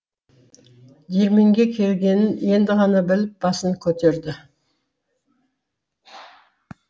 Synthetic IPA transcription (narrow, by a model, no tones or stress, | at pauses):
d̪eɾme̞ŋɡʲe̞kʲʰe̞lɡʲe̞nɪne̞nd̪ɪʁɑnɑbɪlɪp̚b̥ɑsəŋkʲʰɵt̪e̞ɾd̪ɪ